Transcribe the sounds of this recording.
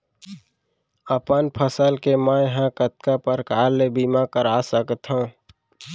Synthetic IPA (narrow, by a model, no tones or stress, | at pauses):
əpənpʰəsəlkemãjɦãkət̪̚kapəɾkaːlebiːmakəɾaːsəkt̪ɦõ